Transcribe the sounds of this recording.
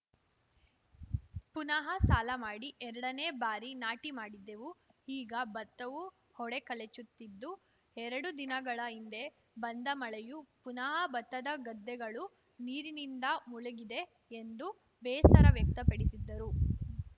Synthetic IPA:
punɐɦɐsaːlɐmaːɽiʔɛɾɐɽɐne̞ːbaːɾinaːʈimaːɽid̪ːe̞ʋuiːɡɐbɐt̪ːɐʋu | hɔɽe̞kɐlet͡ʃːut̪ːid̪ːu | ɛɾɐɽud̪inɐɡɐɭɐind̪e̞ | bɐnd̪ɐmɐɭejupunɐɦɐbɐt̪ːɐd̪ɐɡɐd̪ːɛɡɐɭu | niːɾinind̪ɐmulɐɡid̪e̞ | end̪u | bɛːsɐɾɐʋjɐk̚t̪ɐpɐɽisid̪ːɐɾu

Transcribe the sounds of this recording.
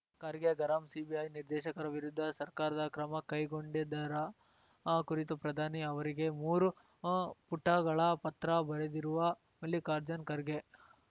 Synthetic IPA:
kɐɾɡeɡɐɾɐmsibiɐjniɾd̪ɛːʃɐkɐɾɐʋiɾud̪ʱːɐsɐɾkaːɾɐd̪ɐkɾɐmɐkɐjɡoɳɖid̪ɐɾɐ | kuɾit̪upɾɐd̪ʱaːniɐʋɐɾiɡe̞muːɾu | puʈːɐɡɐɭɐpɐt̪ɾɐbɐɾed̪iɾuʋɐ | mɐlːikaːɾd͡ʒɐnkɐɾɡe

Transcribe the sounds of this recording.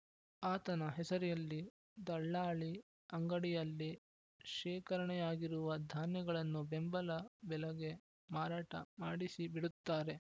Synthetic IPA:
aːt̪ɐnɐɦɛsɐɾɛjɐlːi | d̪ɐɭːaːɭi | ɐŋɡɐɽijɐlːi | ʃɛːkɐɾɐɳɛjaːɡiɾuʋɐd̪ʱaːnjɐɡɐɭɐnːubembɐlɐbɛlɐɡe̞ | maːɾaːʈɐ̰maːɽisibiɽut̪ːaːɾe̞

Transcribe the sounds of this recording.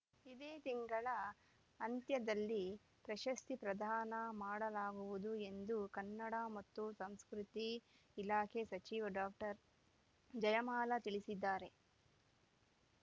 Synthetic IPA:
id̪eːt̪iŋɡɐɭɐ | ɐnt̪jɐd̪ɐlːi | pɾɐʃɐst̪ipɾɐd̪ʱaːnɐmaːɽɐlaːɡuʋud̪ue̞nd̪ukɐnːɐɽɐmɐt̪ːusɐmskɾut̪iː | laːkʰesɐt͡ʃiːʋɐɖaːk̚ʈɐɾ | d͡ʒɐjɐmaːlɐt̪iɭisid̪ːaːɾe̞

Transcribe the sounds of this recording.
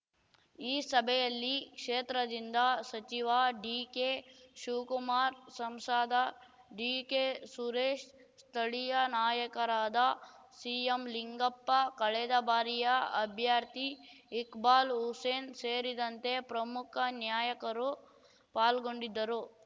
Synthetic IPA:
iːsɐbʱɛjɐlːikʂeːt̪ɾɐd̪ind̪ɐsɐt͡ʃiʋaɖiːkeʃuːkumaːɾsɐmsaːd̪ɐ | ɖiːkesuɾeːʃ | st̪ʰɐɭijɐnaːjɐkɐɾaːd̪ɐ | siːemliŋɡɐpːɐkɐɭɛd̪ɐbaːɾijɐɐbʱjaːɾt̪iːkbaːluseːnseːɾid̪ɐnt̪e̞pɾɐmukʰɐnjaːjɐkɐɾu | paːlɡoɳɖid̪ːɐɾu

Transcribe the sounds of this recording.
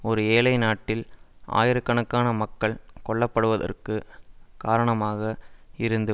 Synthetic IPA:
ɔɾɯeːlɐɪnaːʈːɪlʔa̰ːjɪɾɯkːɐɳɐkːaːnɐmɐkːɐɭkɔɭːɐpːɐɽɯʋɐðɐ̰rkɯkaːɾɐɳɐmaːɣɐɪɾɯnd̪ɯ

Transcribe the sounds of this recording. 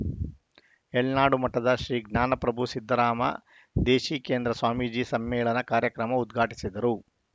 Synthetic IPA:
eɭnaːɽumɐʈːɐd̪ɐʃɾiːɡnaːnɐpɾɐbʱusid̪ʱːɐɾaːmɐ̰ | d̪eːʃiːkeːnd̪ɾɐsʋaːmiːd͡ʒiːsɐmːɛːɭɐnɐkaːɾjɐkɾɐmɐud̪ɡʱaːʈi̥sid̪ɐɾu

